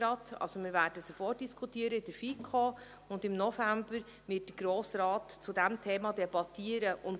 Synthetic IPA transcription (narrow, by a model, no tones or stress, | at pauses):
ɾɑtɑ̰lsomɪːɾvæːɾdəsofɔːt̚d̥iskʰχutiːəɾəɪd̥əɾfikʰoː | ʊndɪmnɔfæmbəɾ | ʋɪt̚d̥əɡɾoːsɾɑːtt͡sʊdæmtʰeːmɑdɛbɑtʰiːəɾəʔʊn